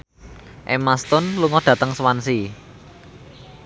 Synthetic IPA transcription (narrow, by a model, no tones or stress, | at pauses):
ʔemast̪ʊnluŋɔɖ̥ä̤t̪əŋsəwansi